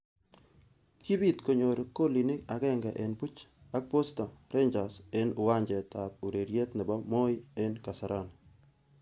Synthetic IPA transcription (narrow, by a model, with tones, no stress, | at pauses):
ki˦bi˦˨t̪ko˨ɲo˨ɾko˦li˨nɪ˦ka˨ɡɛ˦ŋɡɛ˨ʔe˨nbu˦t͡ʃa˦k̚po˦sta˨ɾe˦ɲd͡ʒa˨se˦nʊ˨wa˦ɲd͡ʒɛ˨ta˨p̚u˨ɾe˨ɾje˦t̪nɪ˨ba˦mo˦je˦nka˨sa˨ɾʔa˦˨n